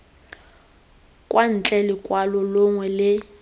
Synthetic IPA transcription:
kʼwan̩t͡ɬʼɛlɪkʼwalɔlʊŋwɛlɪ

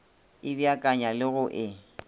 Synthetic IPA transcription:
ɪbjakʼaɲalɪɣʊʔɪ

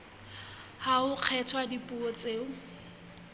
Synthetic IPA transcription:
haʊq͡χʰɛtʰwadipʼuot͡sʼeːʊ

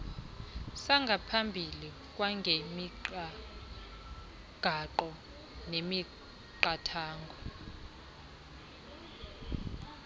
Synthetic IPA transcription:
saŋɡʱapʰambʱili | k̬ʼwaŋɡʱemiǃ | ɡ̥ʱaǃɔ | nemi | ǃatʰaːŋɡʱɔ

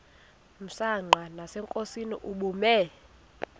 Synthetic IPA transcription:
m̩saŋ͡ǃʱanasɛŋkʼosinḭʔuɓumɛ

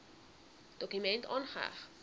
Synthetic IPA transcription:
d̥okymɛntɔ̰nχəa̰χ

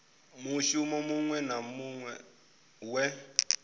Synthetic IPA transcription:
muʃumɔmuŋwɛnamuŋwɛ | wɛ

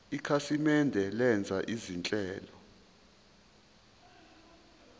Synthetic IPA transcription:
ikʰasimɛndʱɛlɛnd͡zʱaʔizint͡ɬʼɛːlɔ

